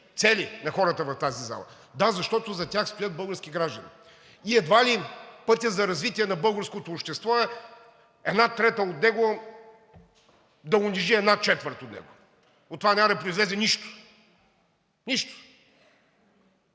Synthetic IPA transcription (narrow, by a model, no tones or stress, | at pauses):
t̪sɛlinɐxɔɾət̪əvɐft̪aziza̰lˠɐ̰ | d̪azɐʃt̪ɔt̪ozɐtʲaxst̪ojət̪̚bɤlˠɡəɾskʲiɡɾaʒd̪ənḭ | iɛd̪valipɤt̪ʲəzɐɾɐzvit̪iɛnɐbɤlˠɡəɾskot̪oːpʃt̪ɛst̪vɔɛ | ɛd̪nat̪ɾɛt̪əot̪nɛɡʊ | d̪ɐʊnʲiʒiɛd̪nat͡ʃɛt̪vəɾt̪ot̪nɛ̰ɡʊ | ot̪ːovanʲaməd̪ɐpɾʊizlɛzɛniʃt̪ʊ̥ | niʃt̪ʊ̥